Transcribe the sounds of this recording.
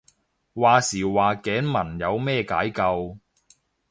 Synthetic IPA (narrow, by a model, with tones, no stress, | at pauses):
waː˨siː˨˩waː˨kɛː˨˥nmɐ˨˩njɐ˨˧wmɛː˥˧ka̰ː˨˥jkɐ˧w